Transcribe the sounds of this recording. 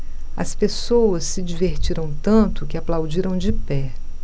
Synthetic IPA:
ɐ̰spesowɐsːɪd͡ʒiveɾt͡ʃiɾɐ̃w̃t̪ɐ̃nt̪ʊkɪaplawd͡ʒiɾɐ̃w̃d͡ʒɪpɛ

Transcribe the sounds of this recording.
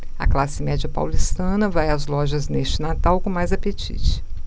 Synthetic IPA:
ɐ̰klasɪmɛd͡ʒɐpa̰wlist̪ɐ̃nɐvajɐzlɔʒɐzneʃt͡ʃɪnat̪awkõmajzapet͡ʃḭt͡ʃɪ̥

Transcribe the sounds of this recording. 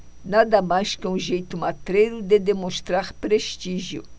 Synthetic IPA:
nad̪ɐmajskɪũʒejt̪ʊmat̪ɾejɾʊd̪ed̪emõst̪ɾaɾpɾeʃt̪iʒjʊ̰

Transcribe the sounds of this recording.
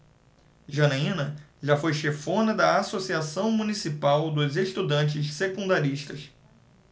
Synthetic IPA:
ʒɐnaĩnɐʒafojʃefõnɐd̪ɐasosiasɐ̃w̃mũnisipawd̪ʊzeʃt̪ud̪ɐ̃nt͡ʃɪssekũnd̪aɾiʃt̪ɐs

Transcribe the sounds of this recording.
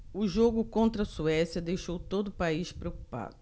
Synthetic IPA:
ʊʒoɡʊkõnt̪ɾɐsuɛsjɐd̪ejʃowt̪od̪ʊpaiʃpɾeowku̥pa̰d̪ʊ

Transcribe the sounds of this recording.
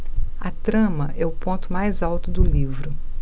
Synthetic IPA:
ɐt̪ɾɐ̃mɐʔɛʊpõnt̪ʊmajzawt̪ʊd̪ʊlivɾʊ

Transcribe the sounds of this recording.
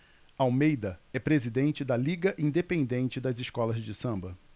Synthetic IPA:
awmejd̪ɐɛpɾezid̪ẽnt͡ʃɪd̪ɐliɡɐʔĩd̪epẽnd̪ẽnt͡ʃɪd̪ɐzɪʃkɔlɐzd͡ʒɪsɐ̃mbɐ

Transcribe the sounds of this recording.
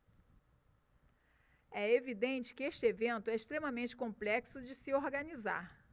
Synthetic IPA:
ɛevid̪ẽnt͡ʃɪ̥kɪeʃt͡ʃɪevẽnt̪ʊɛeʃt̪ɾẽmɐmẽnt͡ʃɪ̥kõplɛksʊd͡ʒɪsɪoɾɡɐniza̰ɾ

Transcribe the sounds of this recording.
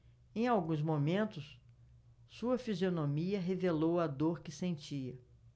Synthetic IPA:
ẽj̃awɡũzmomẽnt̪ʊs | suɐfizionomiɐɦevelowad̪oɾkɪsẽnt͡ʃiɐ

